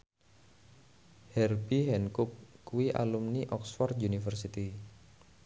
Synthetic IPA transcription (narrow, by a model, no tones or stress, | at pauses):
hɛrbiɦɛnkup̚kuwiʔa̰lumniʔɔksfɔrt̪unifərsit̪i